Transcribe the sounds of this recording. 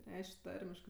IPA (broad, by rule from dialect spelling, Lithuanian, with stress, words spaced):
ˈrʲɛɪʃʲkʲ ˈtɐrʲmʲɪʃkɜ